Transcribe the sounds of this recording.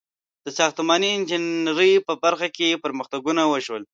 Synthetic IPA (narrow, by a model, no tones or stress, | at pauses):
d̪̥əsɑxt̪mɑniɪnd͡ʒɪnɾəjpəbaɾxakepəɾməxt̪aɡunawəʃwəl